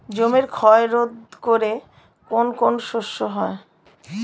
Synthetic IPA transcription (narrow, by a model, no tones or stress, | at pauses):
d͡ʑomeɾkʰɔeɾod̪̚koɾe | konkonʃoʃːoɦɔe